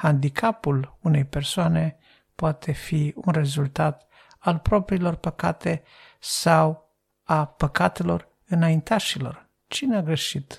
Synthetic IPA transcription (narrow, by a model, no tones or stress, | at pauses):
hand̪ikʰapulune̞jpe̞rsoane̞ | poat̪ʰe̞fiunre̞zult̪at̪ | alpɾo̞pɾiːlo̞rpəkat̪ʰe̞ | saw | apəkat̪e̞lo̞̰r | ɨnaint̪aʃilo̞̰r | t͡ʃineaɡɾe̞ʃit̪